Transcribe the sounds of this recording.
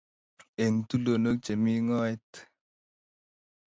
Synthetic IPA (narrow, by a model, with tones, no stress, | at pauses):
e˨ŋt̪u˦lo˨no˦k̚t͡ʃe˨mi˦ŋɔ˦ɛ˦t̪